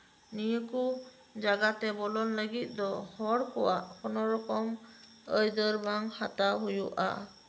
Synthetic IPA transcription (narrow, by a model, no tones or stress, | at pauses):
nijəku | d͡ʒaɡat̪ɛbɔlɔnləɡit̪̚ˀd̪ɔhɔɾkɔwaʔkʰɔnɔɾɔkɔm | əjd̪əɾbaŋhataɦujuʔa̰